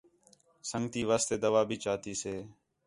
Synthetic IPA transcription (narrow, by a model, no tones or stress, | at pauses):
səŋɡt̪iːʋaːst̪eːd̪əʋaːbʱiːt͡ʃaːt̪iːseː